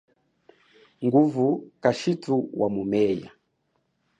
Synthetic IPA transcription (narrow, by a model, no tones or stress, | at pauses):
ŋɡuvukaʃituwʔamumɛja̰